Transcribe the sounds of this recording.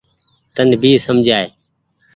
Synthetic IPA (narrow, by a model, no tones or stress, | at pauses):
t̪ənbʱiːsəmd͡ʒʱaːeː